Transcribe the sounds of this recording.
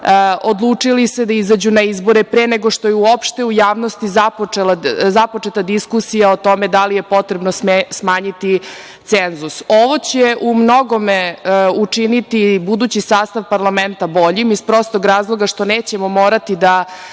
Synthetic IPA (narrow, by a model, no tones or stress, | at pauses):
od̪lˠuːt͡ʂilised̪aizad͡ʑunaizbo̞ɾepɾeːneɡoʂt̪o̞jeuopʃt̪e̞ujaːʋno̞st̪izapoelazapo̞t͡ʂet̪ad̪iskusijaot̪o̞med̪alije̞po̞t̪ɾebnosesmaːɲit̪i | t̪senzusoʋo̞t͡ɕeʔumno̞ɡo̞meut͡ʂinit̪ibud̪uːt͡ɕisaːst̪aʋpaɾlˠament̪abo̞ʎimispɾo̞st̪oɡɾaːzlˠoɡaʃt̪o̞neːt͡ɕemo̞moːɾat̪id̪a